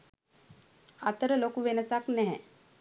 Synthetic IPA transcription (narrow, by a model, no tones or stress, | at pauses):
at̪əɾəlokuʋenəsaknɛɦɛ̃